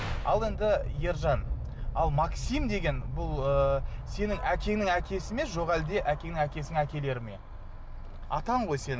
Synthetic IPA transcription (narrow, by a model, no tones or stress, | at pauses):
ɑlˠe̞nd̪ɪje̞ɾʒɑn | ɑlˠmɑksijmd̪e̞ɡʲe̞nbʊlˠəse̞nɪŋʔækʲe̞nɪŋækʲʰe̞sɪmeʒo̞ʁæld̪e̞ʔækʲe̞ŋnɪŋækʲe̞sɪnɪŋækʲe̞le̞ɾɪme̞̰ | ɑ̰t̪ɑɴʁo̞jse̞n